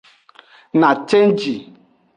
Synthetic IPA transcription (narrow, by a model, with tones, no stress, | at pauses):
na˨t͡ʃe˦n˦d͡ʒi˨